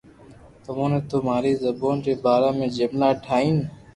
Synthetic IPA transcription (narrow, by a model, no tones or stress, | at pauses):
t̪əmõːnẽːt̪oːmaːɾiːzəboːnɾeːbaːɾãːmẽːd͡ʒəmlaːʈʰaːiːn